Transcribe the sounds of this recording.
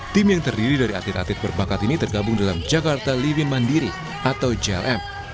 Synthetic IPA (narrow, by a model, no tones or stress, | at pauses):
t̪ɪmjaŋt̪ərdiɾidaɾia̰t̪lɪt̪at̪ɪt̪̚bərbakat̪init̪ərɡabʊŋdalamd͡ʒakart̪alivɪnmandiɾi | ʔat̪awd͡ʒɛɛ̰lʔɛm